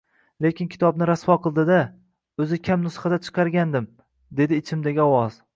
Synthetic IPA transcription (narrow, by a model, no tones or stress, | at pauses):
le̞kʲɪnkʲʰɪ̥t̪ʰɒbnɪɾasfɒqʰɨlˠd̪ɪd̪a | ɵzɪkʲʰamnʊsχɑd̪at͡ʃʰɨ̥qʰɑɾɡʲand̪ɪm | d̪e̞d̪ɪːt͡ʃʰɪmd̪aɡʲɒwɒz̥